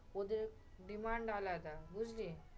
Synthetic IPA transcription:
od̪eɾ | ɖimaɳɖalajt̪abud͡zli

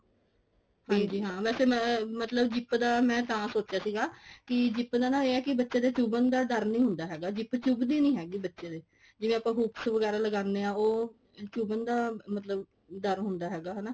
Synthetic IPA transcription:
hãːd͡ʒiːɦãːʋɛːseːmət̪ləbd͡ʒɪpd̪aːmɛ̃ːt̪ãːsoːt͡ʃjaːsiːɡaːkɪd͡ʒɪpd̪aːnãːeːɛːkɪbətːʃeːd̪eːt͡ʃubənd̪aːd̪əɾmnĩːɦʊnd̪aːɦɛːɡaːd͡ʒɪpt͡ʃʊbd̪iːnĩːɦɛːɡiːbətːʃeːd̪eː | d͡ʒɪʋẽːapãːɦuːpsʋəɡɛːɾaːləɡãːnd̪eːãːoː | t͡ʃuːbənd̪aːmət̪ləb | d̪əɾmɦʊnd̪aːɦɛːɡaːɦanaː

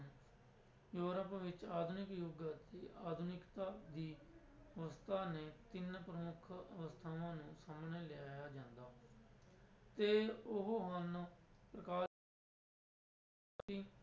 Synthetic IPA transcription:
joːɾəpʋɪt͡ʃaːd̪ʱʊnɪkjoːɡaːt̪iːaːd̪ʱʊnɪkt̪aːd̪iː | əʋəst̪ʰaːneːt̪ɪnpɾəmʊkʰəʋəst̪ʰaːʋãːnũːsaːmneːlɪaːjaːd͡ʒãːnd̪aː | t̪eːʊɦoɦənpɾəkaː | iː

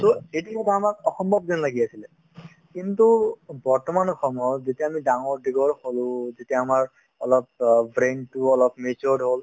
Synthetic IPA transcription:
toetikɔtʰaːmakɔxɔmbʱɔb̚dɔnlaɡiasilɛ | kint̪ubɔɹtɔmanɔxɔmɔzetiaamidaŋɔɹdiɡɔɹholʊ̃zetijaːmaɹ | ɔlɔp̚bɹenʈuɔlɔpmet͡ʃɔɖɦol

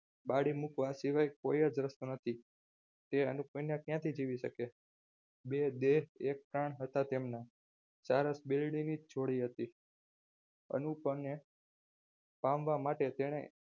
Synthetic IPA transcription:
baɽimukʋasiʋajkojəd͡ʒɾəst̪unət̪ʰi | t̪eənupənjãkjãt̪ʰid͡ʒiʋiʃəke | bed̪eɦek̚pɾaɳ̃ɦət̪at̪emna | saɾəsbilɽinid͡ʒt͡ʃʰoɽiɦət̪i | ə̰nũpəne | pãmʋamaʈet̪eɽ̃ḛ

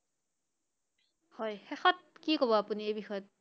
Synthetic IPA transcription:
hɔjxɛxɔt̚kikɔβɔapuniejbixɔjɔt̚

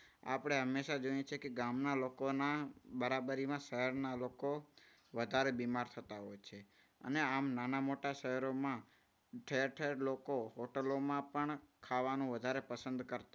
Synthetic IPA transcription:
a̰pəɽ̃eɦəmːeʃad͡ʒəɳjet͡ʃʰekeɡamnalokonabəɾabəɾimãʃəɦəɾnaloko | ʋəd̪ʱaɾebimaɾt̪ʰət̪aɦɔjt͡ʃʰe | ə̰neamnanamoʈaʃəɦəɾomã | ʈʰəɾʈʰəɾlokoɦoʈəlomãpəɳkʰaʋanũʋəd̪ʱaɾepəsənd̪kəɾt̪a

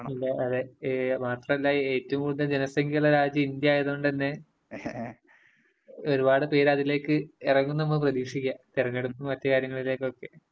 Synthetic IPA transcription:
ilːɐʔɐðemaːt̪rɐmɐlːaeːtːɐʋumkuːɽunːɐd͡ʑenɐsɐŋɡeɭɐɾaːd͡ʑɐind̪jɐaːjeðɐuɳɖt̪ɐnːe̞ | o̞ɾubaːɽɨpe̞ːɾɐðile̞ːkːɨirɐŋːumnːɐmːɐɭprɐðiːʂikʲːat̪irɐŋːeɽupːumɐt̪jɐkaːɾjɐŋːɐɭile̞ːkːo̞kːe̞

